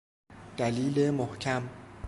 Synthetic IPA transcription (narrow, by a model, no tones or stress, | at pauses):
d̪̥æliːlemohcʰæm